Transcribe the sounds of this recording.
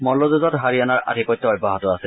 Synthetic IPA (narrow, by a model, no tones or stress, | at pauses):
mɔlozuzɔtɦaɹianaɹʔa̰tikɔjtːɔɔjbʱaɦɔtʊasɛ